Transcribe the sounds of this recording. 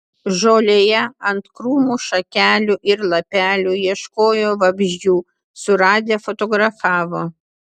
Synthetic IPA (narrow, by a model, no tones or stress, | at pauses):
ʒoːlʲejɛɐnt̪kɾuːmuːʃɐkʲæːlʲuʔɪɾlˠɐpʲæːlʲujiɛʃkoːjoːʋɐbʲʒʲjuː | sʊɾɑːd̪ʲeːfot̪ɔːɡɾɐfɑːʋoː